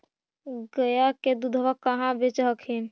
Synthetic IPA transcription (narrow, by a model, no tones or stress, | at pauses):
ɡəjaked̪ud̪ʱʋəkːəɦãbet͡ʃɦəkʰɦin